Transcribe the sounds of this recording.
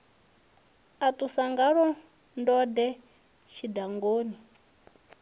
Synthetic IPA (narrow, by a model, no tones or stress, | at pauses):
atusaŋɡaɺɔ | ndɔdɛ | ʃidaŋɡoːni